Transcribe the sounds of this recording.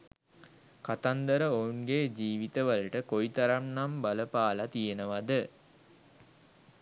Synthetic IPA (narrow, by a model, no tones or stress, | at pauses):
kat̪and̪əɾəounɡeːd͡ʒiːʋit̪əʋaləʈəkoit̪aɾamnambaləpaːlat̪ijenəʋad̪ə